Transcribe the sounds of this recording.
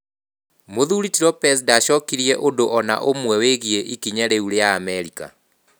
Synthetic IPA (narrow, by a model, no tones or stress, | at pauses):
moðuɾitiɾɔpɛs̬daʃɔkiɾiɛʔondoʔɔna̰ʔomwɛweɣieʔikiɲaɾeuɾejaːmɛɾika̰